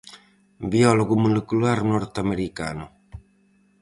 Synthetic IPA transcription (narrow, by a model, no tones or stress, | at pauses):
biɔloɡumulekulaɾnɔɾt̪ameɾika̰no